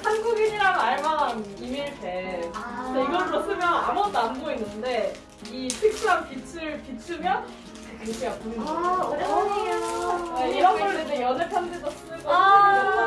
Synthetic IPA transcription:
hanɡuɡiɲiɾanaɭman | imiɭpe | d͡ʑeiɡʌɾɯmʌs͈ʰɯmjʌna̰munamɡoinːɯnde̞ | itʰek̚s͈ɯaŋpit͡ɕʰɯɯɭpit͡ɕʰɯmjʌn | ekɯkʰejapon | neiɾʌnɡʌɾnenejʌnepʰandesʌs͈ɯɡo

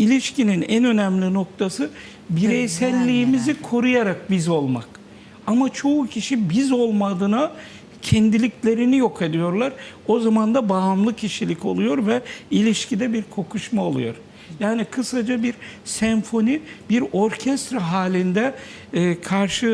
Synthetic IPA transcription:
ilʲiʃcininænø̞næmlʲino̞k̚t̪ʰasɯ | biɾejsælʲːiːmizikʰo̞ɾujaɾak̚bizo̞lˠma̰k | amat͡ʃʰo̞ucʰiʃibizo̞lˠmad̪ɯna | cʰɛnd̪ilʲiclʲe̞ɾinijo̞kʰed̪ijo̞ɾlˠaɾ | o̞zamand̪abaːmlˠɯcʰiʃilʲico̞̰lˠujo̞ɾvɛilʲiʃcʰid̪ɛbiɾkʰo̞kʰuʃmaolˠṵjo̞̰ɾ | jaːnikʰɯsad͡ʒabiɾsɛɱfo̞nibiɾo̞ɾcʰɛst̪ɾaɦaːlʲind̪ɛː | kʰaɾʃɯ

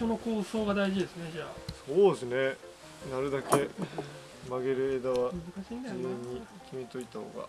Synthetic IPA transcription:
sono̞ko̞ːso̞ːɡad̪aiʑid̪e̞sɨne̞d͡ʑaːso̞ːd̪esɨne̞ | naɾɯ̟d̪ake̞ | maɡe̞ɾɯ̟e̞d̪aβamɯzɨkaɕiinẽɲ̟ːi | kʲimet̪o̞it̪aho̞̰ːɡa̰

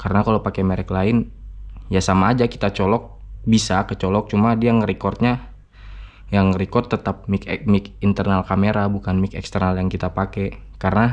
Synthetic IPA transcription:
kaɾənakalopakɛmeɾɛklaɪnjasamaːd͡ʒaki̥t̪at͡ʃɔlɔk̚ | bisakət͡ʃɔlɔk̚t͡ʃumadiaŋəɾikɔrt̪̚ɲa | jaŋɾikɔrt̪ːət̪ap̚mikmikint̪ərnalkameɾabukanmikɛ̰kst̪ərnaljaŋkit̪apakɛkaɾəna

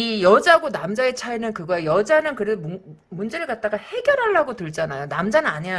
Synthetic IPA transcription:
ijʌd͡ʑaɡonamd͡ʑae̞t͡ɕʰaenɯnkɯɡʌejʌd͡ʑanɯnkɯɾesʰom | mund͡ʑeɾɯɭkat̚t͈aɡahe̞ɡʲjʌɾɦaɭːaɡotɯɭd͡ʑanajonamd͡ʑanɯnaɲia

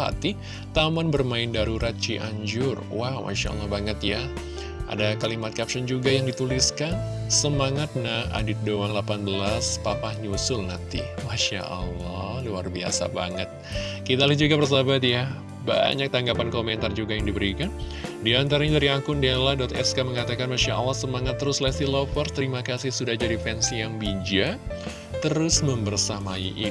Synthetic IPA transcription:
a̰t̪i | t̪amanbərmaɪndaɾuɾat̪̚t͡ʃiʔaɲd͡ʒʊrwama̰ʃa̰ɔ̰lːɔhbaŋət̪ja | ʔa̰dakalimat̪̚kap̚ʃɔnd͡ʒuɡajaŋdit̪uliskan | səmaŋat̪̚naa̰dɪt̪̚doaŋlapanbəlaspapahɲusʊlnat̪ḭmaʃa̰ʔəlːɔluarbia̰sa̰ba̰ŋət̪̚kit̪alihd͡ʒuɡabərs̬abat̪ja | ba̰ɲak̚t̪aŋɡapankomɛnt̪ard͡ʒuɡajaŋdibəɾikandiant̪aɾaɲadaɾiaŋkʊndaladɔt̪ɛskaməŋat̪akanmaʃaʔɑlːahsəmaŋat̪ːəɾʊslɛst̪ilofɔrst̪əɾimakasɪhsudahd͡ʒadifɛnsijaŋbid͡ʒa | t̪əɾʊsməmbərsamaiʔi

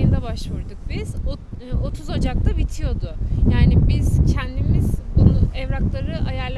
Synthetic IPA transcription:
ɯnd̪abaʃvuɾd̪uk̚biz̥o | o̞t̪ʰuzad͡ʒaklˠabit̪ʰijo̞d̪ʊjaːnibiz̥cʰɛnd̪imizbununɛvɾaklˠaɾɯʔajaɾlʲˠ

